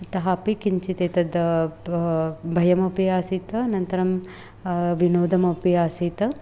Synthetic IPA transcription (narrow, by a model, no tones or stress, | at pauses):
t̪ɐɦaːpikiɲt͡ʃit̪eːt̪ɐd̪ | bʱɐjɐmɐpiaːsiːt̪ɐɐnɐnt̪ɐɾɐm | ʋinoːd̪ʱɐmɐpiaːsiːt̪ɐ